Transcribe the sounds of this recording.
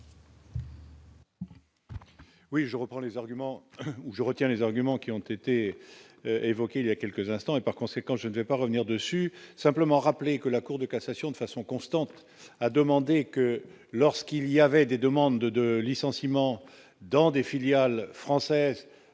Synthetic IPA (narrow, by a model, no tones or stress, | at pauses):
wiʒəʁəpχɑ̃lezaʁɡymɑ̃uʒəʁət̪jɛ̃lezaʁɡymɑ̃kʲiɔ̃t̪et̪e | evɔkeiljakʲɛlkəzɛ̃st̪ɑ̃epaʁkɔ̃sekɑ̃ʒənəvɛpaʁəvniʁd̪əsysɛ̃pləmɑ̃ʁaplekəlakuʁd̪əkasasjɔ̃d̪əfasɔ̃kɔ̃st̪ɑ̃t̪ | ad̪əmɑ̃d̪ekə | lɔʁskiliavɛd̪ed̪əmɑ̃d̪d̪əlisɑ̃simɑ̃ | d̪ɑ̃d̪efiljalfχɑ̃sɛz